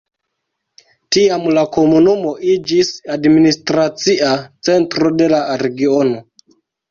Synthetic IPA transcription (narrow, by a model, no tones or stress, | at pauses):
tiamlako̞munumo̞ʔid͡ʒisadministɾat͡siat͡se̞ntɾo̞de̞laɾe̞ɡio̞no̞